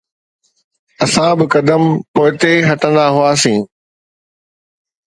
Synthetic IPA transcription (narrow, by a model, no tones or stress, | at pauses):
ɐsãbɪkɐd̪əmpoːɪt̪eɦɐʈə̃nd̪aɦuaːsĩː